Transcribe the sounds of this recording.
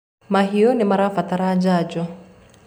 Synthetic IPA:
maɦiɔnimaɾafat̪aɾad͡ʒad͡ʒɔ

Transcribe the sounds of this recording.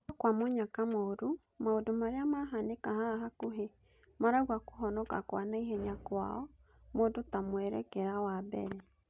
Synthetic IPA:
ɔkwamoɲakamoɾu | maodomaɾeamaɦanekahaɦakuɦe | maɾaɣwaku̥ɦɔnɔka̰kwanaiɦɛɲakwa̰ɔ | mondotamwɛɾɛ̰kɛɾawabɛ̰ɾɛ

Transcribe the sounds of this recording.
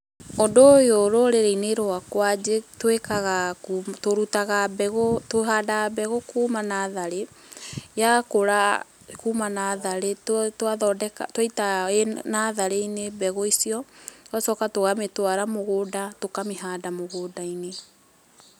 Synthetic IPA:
odojoɾoɾeɾaineɾoakwad͡ʑetwekaɣakumtoɾutaɣabɛɣotoɦadabɛɣokuːmanaðaɾe | jakoɾa | kuːmanaðaɾetwaðɔdɛka̰twaitaenaðaɾeinebɛɣoisiɔwasɔkatoɣametwaɾamoɣoːdatokameɦadamoɣoːdaine

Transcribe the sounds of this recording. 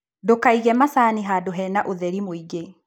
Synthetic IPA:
dokaiɣɛmasaːniɦadoɦɛːnaʔoðɛɾimoiɡe

